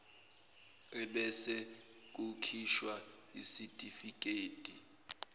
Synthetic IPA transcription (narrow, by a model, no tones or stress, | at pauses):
ɛɓɛsɛ | k̬ʼukʰiʃwa | isitʼifik̬ʼeːtʼi